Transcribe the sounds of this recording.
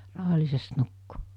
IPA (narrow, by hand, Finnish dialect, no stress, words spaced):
rɑˑuhɑlʲlisest nukːu